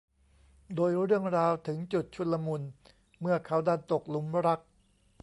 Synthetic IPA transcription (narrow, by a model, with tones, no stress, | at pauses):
doː˧jɾɯ˥˩əŋɾaː˧wt̪ʰɯ˩˦ŋt͡ɕu˨˩t̪̚t͡ɕʰu˧t̪̚la˧mu˧n | mɯ˥˩ɐkʰa˦˥wdaː˥˩nt̪o˨˩k̚lu˩˦mɾa˦˥k̚